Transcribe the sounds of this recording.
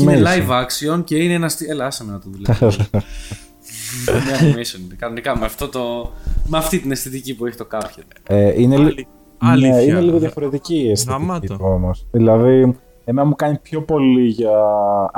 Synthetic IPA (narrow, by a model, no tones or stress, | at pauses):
melɐjvɐksionceineenɐst̪ielɐɐsɐmenɐt̪oðule | mɲɐkomisioninekɐnonikɐmeɐft̪o̞t̪o̞meɐft̪it̪inest̪it̪icipueçet̪okɐpçet̪e̥eʔineli | nine̞liɣoðjɐfo̞ɾe̞t̪iciest̪io̞mosðilɐði | emenɐmukɐnipço̞po̞liʝɐ